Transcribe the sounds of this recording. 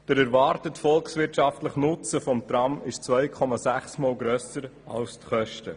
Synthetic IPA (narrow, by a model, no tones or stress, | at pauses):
d̥əɾæɾvɑɾtətfɔlksʋɪɾtʃɑftləχnʊt͡səfɔmt̪ɾɑmɪʃt͡svœjkʰɔmɑsæχsmoːlɡɾœsəɾɑ̰lstχœʃtə